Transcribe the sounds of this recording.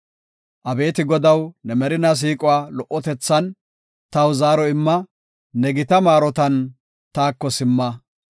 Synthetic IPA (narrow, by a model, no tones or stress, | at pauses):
ʔɐbe̞ːt̪ɪɡɔd̪ɐwnɛmɛɾɪnɐs̬iːkʼʊwaːlɔʔːɔt̪ɛt͡sːɐn | t̪ɐwzaːɾɔɪmːɐː | ɛɡɪt̪ɐmaːɾɔt̪ɐn | t̪aːkːɔsɪmːɐ